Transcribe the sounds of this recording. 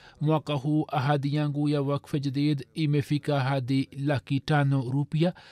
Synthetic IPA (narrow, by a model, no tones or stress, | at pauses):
muakaɦuʔɐɦaːd̪ijãːŋɡuːjaʋɐkfɐd͡ʒd̪eːd̪imefikaɦaːd̪ilakiʈaːnoɾupija